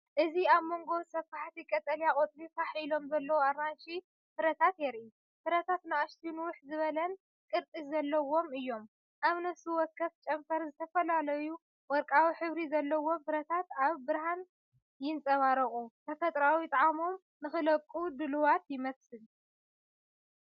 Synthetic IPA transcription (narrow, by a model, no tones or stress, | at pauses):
ʔɨziaβmo̞ŋɡo̞sɐfaħt̪ʰikʼɐt̪ʼɐljakʼot̪ʼlifaħilo̞mzɐlːɐwoaɾanʃi | fɨɾɐt̪ʰat̪jɛɾi | fɨɾɐt̪ʰat̪naaʃt̪ʰinwʊħzɨβɐlɐn | kʼɨɾt̪ʼiszɐlːɐwo̞mɨjːo̞m | ʔaβnɐsuwɔkʰːɐft͡ʃʼɐmfɐɾzɨt̪ʰɐfɐlalɐju | wɔɾkʼawiħɨβɾizɐlːɐwo̞mfɨɾɐt̪ʰat̪aβbɨɾhan | jɪnt͡sʼɐβaɾɐχʼut̪ʰɐfɐt̪ʼɾawit̪ʼɐʕamo̞m | nɨxɨlɐkʼːud̪ɨluwat̪jɪmɐsɨl